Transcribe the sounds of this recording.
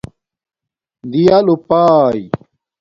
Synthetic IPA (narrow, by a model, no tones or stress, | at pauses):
d̪ijalupaj